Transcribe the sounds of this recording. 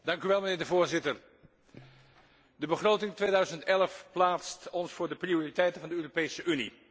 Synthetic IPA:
d̥ɑŋkyʋɛlˠmənɪːɹdəvʊːɹzɪtər | dəbəχrowtɪŋtʋejdœɥzəntɛləfplaːtstɔnsfʊːɹdəprioːritɛjtənvɑndəøːropejsəʔynḭ

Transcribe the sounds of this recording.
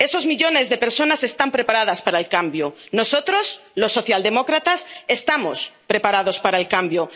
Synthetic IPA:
e̞so̞zmiʎo̞ne̞zðe̞peɾso̞nase̞st̪ampɾe̞paɾað̞aspaɾaelkambjono̞so̞t̪ɾo̞slo̞sːoθjald̪e̞mo̞kɾat̪ase̞st̪amo̰spɾe̞paɾaðo̞spaɾaelkambjo

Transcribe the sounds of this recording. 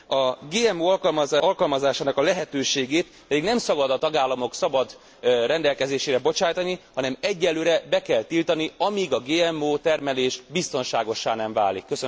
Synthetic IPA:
ɒɡeːɛmoːɒlkɒlmɒzaɒlkɒlmɒzaːʃaːnɒkɒlɛɦɛt̪øːʃeːɡeːt̪ | pɛd̪iɡnɛmsɒbɒd̪ɒt̪ɒɡaːlːɒmo̞ksɒbɒd̪ | ɾɛnd̪ɛlkɛzeːʃeːɾɛbo̞t͡ʃaːjt̪ɒnihɒnɛmɛɟːɛlːøːɾɛbɛkɛlt̪ilt̪ɒniɒmiɡɒɡeːɛmoːt̪ɛrmɛleːʃbist̪o̞nʃaːɡo̞ʃːaːnɛɱva̰ːlḭkːøsø

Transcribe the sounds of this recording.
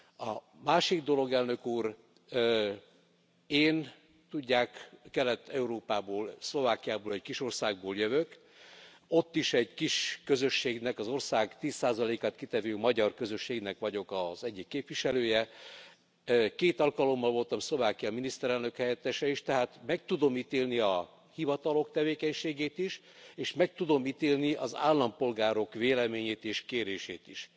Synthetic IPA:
ɒ | maːʃiɡd̪o̞lo̞ɡɛlnø̞kuːr | eːn | t̪uɟːaːkːɛlːɛt̪ːɛuɾoːpaːboːlslo̞vaːkijaːboːlɛɟkiʃo̞rsaːɡ̚boːljøvøk | o̞t̪ːiʃɛɟkiʃkø̞zø̞ʃːeːɡnɛkɒzo̞rsaːɡt̪iːsːaːzɒleːkaːt̪̚kit̪ɛvøːmɒɟɒrkø̞zø̞ʃːeːɡnɛkʋɒɟo̞kɒz̥ɛɟːikːeːpʋiʃɛløːjɛ | keːt̪ɒlkɒlo̞mːɒlvo̞lt̪ɒmslovaːkijɒminist̪ɛɾɛlnøkhɛjɛt̪ːɛʃɛiʃt̪ɛɦaːt̪mɛk̚t̪ud̪o̞mit̪eːlniɒ | hivɒt̪ɒlo̞kt̪ɛveːkɛɲʃeːɡeːt̪iʃ | eːʃmɛk̚t̪ud̪o̞mit̪eːlniɒza̰ːlːɒmpo̞lɡaːɾo̞kʋeːlɛmeːɲeːt̪eːʃkeːɾeːʃḛːt̪iʃ

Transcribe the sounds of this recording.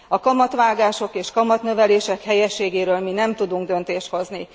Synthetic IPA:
ɒkɒmɒt̪ʋaːɡaːʃo̞keːʃkɒmɒt̪nøvɛleːʃɛkhɛjɛʃːeːɡeːɾøːlminɛmt̪ud̪uŋɡd̪ø̞nt̪eːʃt̪ho̞zni

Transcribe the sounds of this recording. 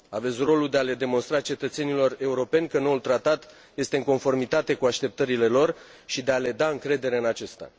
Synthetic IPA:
ave̞t̪sʲro̞lud̪e̞ale̞d̪e̞mo̞nst̪ɾat͡ʃe̞t̪ət̪se̞nilo̞re̞uɾo̞pe̞nʲkəno̞ult̪ɾat̪at̪ | je̞st̪e̞ɨŋko̞nfo̞rmit̪at̪e̞kuaʃt̪e̞p̚t̪əɾile̞lo̞r | ʃid̪e̞ale̞d̪aɨŋkɾe̞d̪e̞ɾe̞ɨnat͡ʃe̞st̪a̰

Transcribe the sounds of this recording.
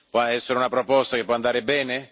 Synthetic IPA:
pwɔɛsːeɾɪunapɾɔpɔst̪akepːwɔand̪aːɾɪbɛːnɪ

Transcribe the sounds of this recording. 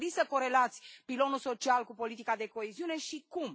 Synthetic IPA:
lisəko̞ɾe̞lat̪sʲpilo̞nulso̞t͡ʃialkupo̞lit̪ikad̪e̞ko̞eziune̞ʃikum

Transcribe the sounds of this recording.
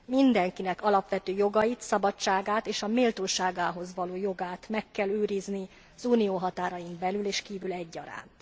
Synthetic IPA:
mind̪ɛŋkinɛkɒlɒpʋɛt̪øːjo̞ɡɒjit̪sɒbɒt͡ʃːaːɡaːt̪eːʃɒmeːlt̪oːʃaːɡaːɦo̞zʋɒloːjo̞ɡaːt̪mɛkːɛløːɾizni | zuːnijoːɦɒt̪aːɾɒjimbɛlyleːʃkiːvylɛɟːɒ̰ɾa̰ːnt̪

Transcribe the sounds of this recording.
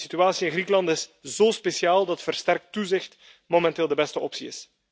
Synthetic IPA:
sit̪yaːsiɪnɣɾikəlɑntɪsz̥oːspesjaːlˠdɑtfərstɛrk̚tːuzɪxt | momɛnteːlˠdəbɛstəɔpsiɪ̰s

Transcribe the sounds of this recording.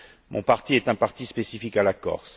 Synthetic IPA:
mɔ̃paʁt̪iɛt̪ɛ̃paʁt̪ispesifikalakɔ̰ʁs

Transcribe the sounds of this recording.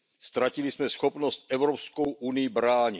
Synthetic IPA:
st̪ɾacilismɛsxopnost̪̚ʔɛvɾopskowʔunɪjibɾaːɲi

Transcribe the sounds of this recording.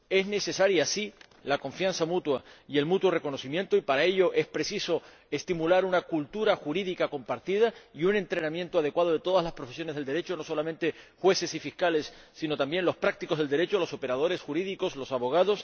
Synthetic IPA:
e̞zne̞se̞saɾjasi | lakõ̞ɱfjãnsamut̪waie̞lmut̪wore̞ko̞no̞simjent̪oipaɾae̞ʎo̞ʔe̞spɾe̞siso̞ | e̞st̪imulaɾunakult̪uɾaxuɾiðikako̞mpaɾt̪ið̞aiunẽ̞nt̪ɾe̞namjent̪oað̞e̞kwað̞o̞ð̞e̞t̪o̞ð̞azlaspɾo̞fe̞s̬jo̞ne̞zðe̞ld̪e̞ɾe̞t͡ʃo̞no̞so̞lamẽnt̪e̞xwe̞se̞sifihkale̞sː | ino̞t̪ambje̞nlo̞spɾak̚t̪ikozð̞e̞ld̪e̞ɾe̞t͡ʃolo̞so̞pe̞ɾað̞o̞ɾe̞sxuɾiðiko̞slo̞saβo̞ɣ̞að̞o̞s

